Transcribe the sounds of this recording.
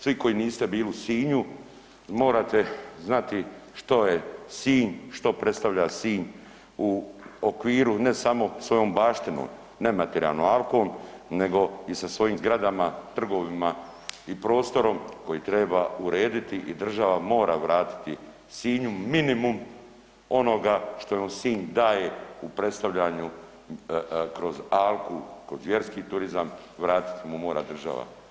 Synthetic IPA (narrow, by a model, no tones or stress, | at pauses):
sʋiko̞jiniːst̪e̞biːlisiːɲu | mo̞ːɾat̪e̞znat̪iʃt̪o̞jesiːɲʃt̪o̞pɾe̞t̪st̪aʋʎasiːɲ | uokʋiːɾune̞samo̞sʋo̞jo̞ːmbaːʃt̪ino̰ːm | ne̞mat̪eɾia̰lno̰alkoːmne̞ɡo̞isasʋo̞jiːmzɡɾad̪amat̪r̩ɡo̞ʋima | ipɾo̞ːst̪o̞ɾo̞mko̞jit̪ɾe̞bauɾeːd̪it̪iʔid̪r̩ʒaʋamo̞ːɾaʋɾaːt̪i̥t̪i | siːɲuːinimum | o̞no̞ɡaʃt̪o̞jomsiːɲd̪aːje̞upɾe̞t̪st̪aʋʎaɲu | kɾo̞zalkukɾozʋje̞ɾskiːt̪uɾizam | ʋɾaːt̪i̥t̪imumo̞ːɾa̰d̪r̩ʒa̰ʋa̰